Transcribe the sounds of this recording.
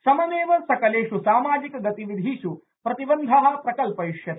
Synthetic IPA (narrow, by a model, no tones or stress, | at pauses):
sɐmɐneːʋɐsɐkɐleːʂusaːmaːd͡ʒikɐɡɐt̪iʋid̪ʱiʃu | pɾɐt̪ibɐnd̪ʱɐɦɐ̆pɾɐkɐlpɐjiʂjɐt̪